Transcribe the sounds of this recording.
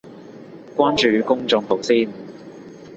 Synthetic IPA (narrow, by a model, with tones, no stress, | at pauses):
kʷwaː˥nt͡ʃyː˨˧kʊ˥ŋt͡sʊ˨˧ŋpʰo˨˩wsiː˥n